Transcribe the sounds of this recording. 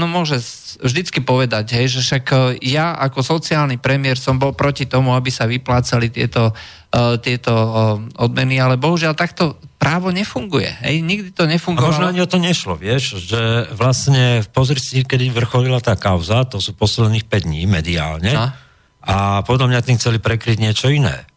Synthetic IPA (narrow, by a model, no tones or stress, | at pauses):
nɔmʊɔʒɛsvʒd̪it͡skipɔʋɛd̪aɟɦɛjʒɛʃakjaʔakɔsɔt͡siaːlnipɾɛmɪɛɾsɔmbɔlpɾɔcit̪ɔmuabisaʋiplaːt͡salit̪ɪɛt̪ɔ | t̪ɪɛt̪ɔɔd̪mɛnialɛbɔɦuʒɪalt̪akt̪ɔpɾaːʋɔɲɛfuŋɡujɛ̰ɦɛ̰jɲiɡd̪it̪ɔɲɛfuŋɡamɔʒnɔaɲiɔt̪ɔmɲɛʃlɔ̰ʋɪɛʃʒɛʋlast̪ɲɛfpɔzɾisikɛd̪iʋr̩xɔlilat̪aːkaʊzat̪ɔsuːpɔsilɛniːxpɛɟd̪ɲiːmɛd̪ia̰ːlɲɛ | ʔapɔd̪ʎamɲat̪iːmxt͡sɛlipɾɛkɾiɟɲɪɛt͡ʃɔinɛ̰ː